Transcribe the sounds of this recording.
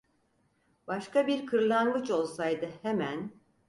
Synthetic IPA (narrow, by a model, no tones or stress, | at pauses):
baʃkabiɾkʰɯɾlˠanɡɯt͡ʃo̞lˠsajd̪ɯhemæn